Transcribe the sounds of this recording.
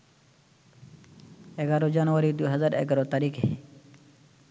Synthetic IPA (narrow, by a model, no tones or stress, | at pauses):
ɛɡaːɾod͡ʒaːnʋaɾid̪uɦəzaːɾḛɡaɾot̪aːɾiːke